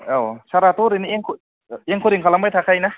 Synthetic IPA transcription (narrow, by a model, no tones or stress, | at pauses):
awsaɾat̪uɾinieŋkʰu | eŋkʰuɾiŋkʰalamajt̪ʰakʰajna